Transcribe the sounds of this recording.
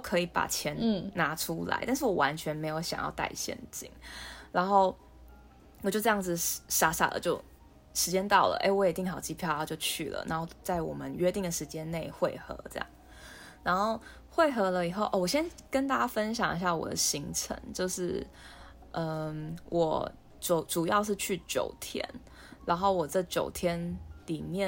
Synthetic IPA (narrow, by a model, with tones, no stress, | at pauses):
t̪o˥˩kʰɤ˧˥i˨˧˩pa̰˨˩t͡ɕʰjɛ˧˥nna˧˥ʈ͡ʂʰu˦la̰˧˥ɪt̪a˥˧nʂ̬ɻ̩˥˩wɔ˨˩wa̰˧˦nt͡ɕʰɥɛ˧˥nme˧˥ɪjo˧˥ʊɕjɑ˨ŋjɑ̰˥˧ʊt̪a̰˥˧˩ɪɕjɛ̰˥˧nt͡ɕḭ˨˩ŋna˧˥nxo˥˩ʊ | wt͡ɕjo˥˧ʈ͡ʂɤ˥˧jɑ˥˩d͡z̩˩ʂa˧˥sa̰˨˩lə̰˩t͡ɕjo˥˩ʊ | ʂɻ̩˧˥t͡ɕjɛ˥nt̪ɑ˥˩ʊlə̰˨˩ʔḛ˥ɪwɔ˧˥jɛ˨˩t̪i˥˩ŋxɑ˨˩ʊt͡ɕi˧˥pʰjʊa˥˧˩t͡ɕjo˥˧ʊt͡ɕʰy̰˥˩lə̰˩na˧˥nxo˥˧ʊt͡sa˥˩ɪwɔ̰˨˩mə˦nɥɛ˥t̪i˥˩ŋd̪ə˩ʂɻ̩˧˥t͡ɕjɛ˦nne˥˩ɪxwe˥˧ɪxɤ̰˧˥ʈ͡ʂɤ˥˩jɑ̰˥˩ŋ | na˧˥nxo˥˧ʊ | xwe˥˩ɪxɤ˧˥lə˧˨i˨˩xo˥˧ʊʔɐ˥˩wɔ˨˩ɕjɛ˥nkə˦nt̪̬a˥˩t͡ɕa˥fə˦˥nɕ̬jɑ̰˨˩ŋi˧˥ɕ̬ja˥˩wɔ̰˨˩d̪ə̰˦ɕi˧˥ŋʈ͡ʂʰə̰˧˦ŋt͡ɕjo˥˧ʊʂɻ̩˥˩ | ʔə˧wʔɔ̰˨˩˦ | ʈ͡ʂu˨˩ʊʈ͡ʂu˨˩jɑ˥˧ʊʂ̬ɻ̩˥˧t͡ɕʰy˥˩t͡ɕjo̰˨˩ʊt̪ʰjɛ̰˥n | ɻa˧˥nxo˥˩ʊwɔ˨˩ʈ͡ʂɤ˥˩t͡ɕjo̰˨˩ʊt̪ʰjɛ˥nli˨˩mjɛ˥˨